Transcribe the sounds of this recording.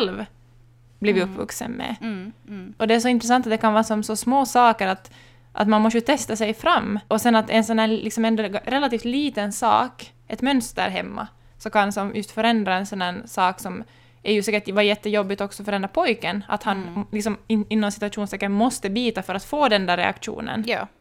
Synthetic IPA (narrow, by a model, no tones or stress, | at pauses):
ɛlv | bliːvɪɵpːvɵ̰ksə̰nmɛ̰ | ʔɔd̪ɛæʂɔɪnt̪ɾɛs̬ant̪at̪d̪ɛkʰanvɑːɾasɔmsɔsmoːsɑːkəɾat̪ | ʔa̰t̪manmɔst̪ət̪ʰɛst̪asɛjfɾamːʔɔsɛnat̪ɛ̰nsɔnhæːlʔɪksɔmɛnd̪ɔɾɛlat̪iːft̪liːt̪ənsɑ̰ːk | ʔɛt̪mœnst̪ə̰ɾɦɛ̰mːa̰ | sɔkʰansɔmjɵst̪fœɾɛnd̪ɾaɛnsɔnːæːɳsɑːksɔm | ʔæɾjʉsɛːkəʈvajɛt̪ːəjɔbːɪt̪ɔksɔfœɾɛnd̪ɾapʰɔjkəna̰t̪hanlɪksɔmɪɪnːɔnsɪ̥t̪ʉaʂuːnst̪ɛːkːəmɔst̪əbiːt̪afœɾat̪foːd̪ɛnd̪æɾɛ̰a̰kʂṵːnə̰nː